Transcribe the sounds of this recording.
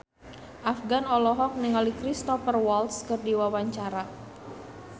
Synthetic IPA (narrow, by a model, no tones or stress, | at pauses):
ʔafɡanɔlɔɦɔk̚niŋalikɾist̪ɔfərwɔlt̪skɨrdiwawaɲt͡ʃaɾa